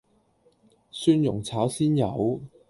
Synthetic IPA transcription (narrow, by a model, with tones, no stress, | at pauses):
syː˧njʊ˨˩ŋt͡sʰaː˨˥wsiː˥njɐ˨˧w